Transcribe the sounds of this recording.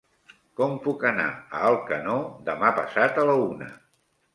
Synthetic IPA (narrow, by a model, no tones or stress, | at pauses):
kɔmpukəna̰əːlˠkənod̪əmapəsat̪ələunə̰